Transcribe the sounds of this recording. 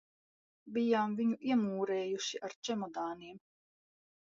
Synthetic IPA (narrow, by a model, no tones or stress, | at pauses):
bijaːmviɲuʔiɛmuːɾɛːjuʃiʔaɾt͡ʃɛmɔd̪aːniːm